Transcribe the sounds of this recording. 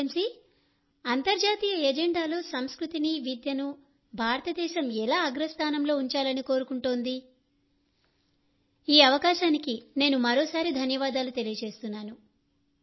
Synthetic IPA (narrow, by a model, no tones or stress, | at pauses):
msi | ɐnt̪ɐɾd͡ʒaːt̪iːjɐɛd͡ʒeɳɖaːlo̞ːsɐmskɾut̪iniʋid̪jɐnu | bʱaːɾɐt̪ɐd̪ɛːʃɐmɛlaːɐɡɾɐst̪ʰaːnɐmlo̞ːuɲt͡ʃaːlɐniko̞ːɾukuɳʈoːnd̪i | iːɐʋɐkaːʃaːnikine̞ːnumɐɾo̞ːsaːɾid̪ʱɐnjɐʋaːd̪aːlut̪e̞lijɐt͡ʃe̞ːst̪unːaːnu